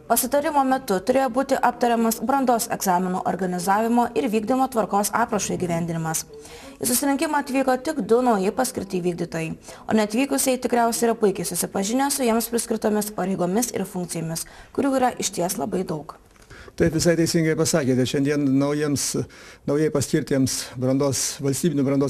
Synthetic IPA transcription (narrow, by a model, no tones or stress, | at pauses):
pɐsʲɪt̪ɐɾʲɪmoːmʲɛt̪ʊt̪ʊɾʲeːjoːbuːt̪ʲɪʔɑpt̪ɐɾʲɛmɐsbɾɐnd̪oːsɛ̰ɡzɑːmʲɪnṵːʔo̰ɾɡɐnʲɪzɑːʋʲɪmoːʔɪɾʋʲiːɡd̪ʲɪmoːt̪ʋɐɾkoːsɑːpɾɐʃɐiɡʲiːʋʲæˑnʲd̪ʲɪnʲɪmɐs | isʊsʲɪɾʲɪŋʲkʲɪmɑɐt̪ʲʋʲiːkoːt̪ʲɪɡd̪ʊnɒʊjɛɪpɐsʲkʲɪɾʲt̪ʲɐɪʋʲiːɡ̚d̪ʲiːt̪oːjɛɪ | o̰ːnʲɛɐt̪ʲʋʲiːkʊsʲɛɪt̪ʲɪkɾʲæˑʊsʲɛiɾɐpʊɪkʲɛɪsʊsʲɪpɐʒʲɪnʲesʊjiɛmspʲɾʲɪsʲkʲɾʲɪt̪oːmʲɪspɐɾʲɛɪɡoːmʲɪsɪ̰ɾfʊŋkt̪ʲɪjoːmʲɪskʊɾʲuːiːɾɐʔɪʃʲt̪ʲiɛslˠɐbɐɪd̪ɐʊk | t̪ɐɪpʋʲɪsɐɪt̪ʲɛɪsʲɪŋɡɐɪpɐsɑːkʲeːt̪ʲɛʃʲɛnd̪ʲiɛnnɐʊjiɛmsnɐʊjɛɪpɐsʲkʲɪɾʲt̪ʲiɛmsbɾɐnd̪oːsʋɐlʲsʲt̪ʲiːbʲɪnʲʊbɾɐnd̪oː